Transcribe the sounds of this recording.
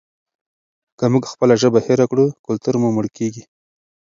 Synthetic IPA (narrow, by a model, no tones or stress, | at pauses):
kəmuɡxpəlaʒəbaheɾakɽukʊlt̪uɾmumʊɽkeɡi